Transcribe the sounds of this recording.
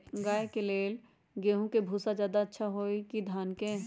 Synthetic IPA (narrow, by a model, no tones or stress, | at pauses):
ɡaːekeleːl | ɡeːɦũkebʱuːsad͡ʒjaːd̪aətːʃʰaɦoːikid̪ʱaːnkẽ